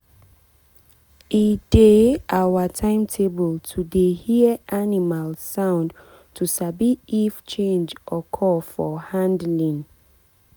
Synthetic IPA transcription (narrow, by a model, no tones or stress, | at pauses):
ideawatʰãɪ̃mtʰebəltʰudehiəʔanimalsãʊ̃nd | tʰusabiːft͡ʃẽnd͡ʒʔɔkʰɔfɔhãndlĩn